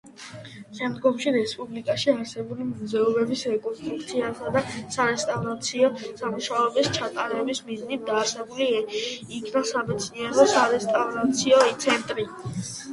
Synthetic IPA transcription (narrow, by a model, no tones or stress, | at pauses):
ʃɛmd̪ɡɔmʃiɾɛspʼublikʼaʃiaɾsɛbulimɔzɛɔbɛbisɾɛkʼɔnst̪ʼɾuk̚t̪sʰiasad̪asaɾɛst̪ʼavɾat̪sʰiɔsamuʃaɔbist͡ʃʰat̪ʼaɾɛbismiznit̪̚d̪aːsɛbuliikʰnasamɛt̪sʰniɛɾɔsaɾɛst̪ʼavɾat̪sʰiɔt̪sʰɛnt̪ʼɾi